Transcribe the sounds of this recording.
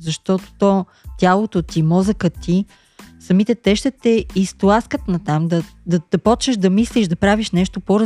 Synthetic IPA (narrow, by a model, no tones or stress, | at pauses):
zɐʃt̪ɔt̪o̥t̪ɔ | t̪ʲjalˠot̪ot̪imɔzɐkət̪i | sɐmit̪ɛt̪ɛʃt̪ɛt̪ɛist̪lˠaskət̪nɐt̪amd̪ɐd̪ɐd̪̥ɐpɔt͡ʃəʃd̪ɐmisliʃd̪ɐpɾaviʃnɛʃt̪opoɾ